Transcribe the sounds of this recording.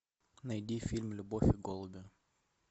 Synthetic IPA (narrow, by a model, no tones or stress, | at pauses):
nɐjdʲifʲilʲmlʲʊbofʲɪɡolˠʊbʲɪ